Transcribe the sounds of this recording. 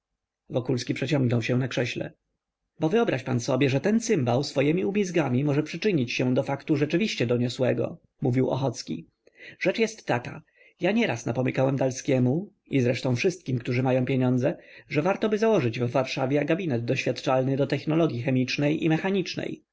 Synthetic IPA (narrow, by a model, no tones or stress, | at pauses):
vɔkulskʲipʂɛt͡ɕɔ̃ŋɡnɔwɕɛ̃nakʂɛɕlɛ̰ | bɔvɘɔbɾaɕpa̰nsɔbʲjɛʐɛt̪ɛnsɘmbawsfɔjɛmʲiubʲizɡamʲimɔʐɛpʂɘt͡ʂɘɲit͡ɕɕɛ̃d̪ɔfakt̪uʐɛt͡ʂɘvʲiɕt͡ɕɛd̪ɔɲɔswɛɡɔ̰ | muvʲiwɔ̰xɔt̪skʲḭ | ʐ̥ɛt͡ʂjɛst̪ːaka̰ | jaɲɛɾasnapɔmɘkawɛmd̪alskʲɛmu | izɾɛʂt̪ɔ̃w̃fʂɘst̪̚kʲimkt̪uʐɘmajɔ̃w̃pʲjeɲɔnd̪zɛʐɛvaɾt̪ɔbɘzawɔʐɘd͡ʑvːaɾʂavʲɛaɡabʲinɛd̪̚d̪ɔɕfʲjat̪t͡ʂalnɘd̪ɔt̪ɛxnɔlɔɡʲjixɛmʲit͡ʂnɛjʔḭmɛxaɲit͡ʂnɛ̰j